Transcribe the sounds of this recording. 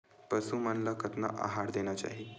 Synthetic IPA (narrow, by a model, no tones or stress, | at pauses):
pəsumənlakət̪na̰ʔa̰ɦaɾd̪eñjat͡ɕa̰ɦi